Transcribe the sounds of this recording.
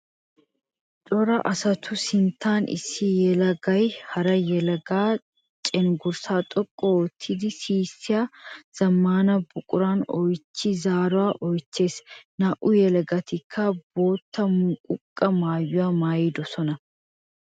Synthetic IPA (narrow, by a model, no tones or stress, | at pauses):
t̪ʼɔɾɐʔɐsɐt̪ʰʊsɪnt̪ʰːaːnʔɪ̰sːɪjɛlɐɡɐjhɐɾɐjɛlɐɡaː | t͡ʃʼɛnɡʊɾsaːt̪ʼɔkʼːɔɔt̪ʰːɪd̪ɪsiːsːɪjaːz̥ɐmːaːnɐbʊkʼʊɾaːnɔjt͡ʃːɪzaːɾʊwaːʔɔjt͡ʃːe̞ːsnɐʔʊjɛlɐɡɐt̪ɪkʰːɐbo̞ːt̪ʰːɐmʊkʼʊkʼːɐmaːjːʊwaːmaːjid̪ɔsɔnɐ